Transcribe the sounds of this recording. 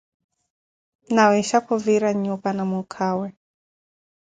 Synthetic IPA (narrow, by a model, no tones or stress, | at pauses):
nawiʃakɔviɾaɲubanamukʰawɛ